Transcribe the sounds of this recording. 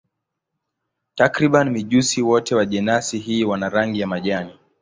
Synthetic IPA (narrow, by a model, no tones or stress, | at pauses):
takɾiɓanimiʄusiwɔtɛwaʄɛnasiɦiːwanaɾaŋɡijamaʄani